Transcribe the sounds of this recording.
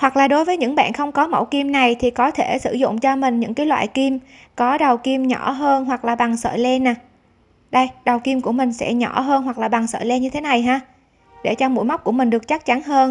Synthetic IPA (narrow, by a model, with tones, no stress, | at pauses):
hwa˨˩k̚laː˨˩ɗo˨˦jvəː˨˦jɲɨ̰˧˥ŋɓa̰ː˧˨nxə˧wŋ͡mkɔ˨˦mə̰˧˩wki˧mna˨˩jt̪ʰi˨˩kɔ˨˦t̪ʰe˧˩sɨ̰˧˩zʊ̰˧˨ŋ͡mt͡ɕɔ˧mï˨˩ŋ̟ɲɨ̰˧˥ŋkaː˨˦jlwa̰ː˧˨jki˧m | kɔ˨˦ɗə˨˩wki˧mɲɔ˧˩ɦəː˧nɦwa˨˩k̚laː˨˩ɓa˨˩ŋsə̰ː˧˨jlɛ˧naː˨˩ | ɗə˧jɗə˨˩wki˧mku˧˩əmï˨˩ŋ̟sɛ̰˧˥ɲɔ˧˩ɦəː˧nɦwa˨˩k̚laː˨˩ɓa˨˩ŋsə̰ː˧˨jlɛ˧nɲɨ˧t̪ʰe˨˦na˨˩jɦaː˧ | ɗe˧˩t͡ɕɔ˧mṵ˧˥jma˦˥k͡p̚ku˧˩əmï˨˩ŋ̟ɗɨ˨˩ək̚t͡ɕa˦˥k̚t͡ɕa˨˦nɦəː˧n